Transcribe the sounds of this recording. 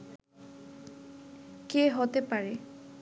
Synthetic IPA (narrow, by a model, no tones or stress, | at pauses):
keɦot̪epaɾe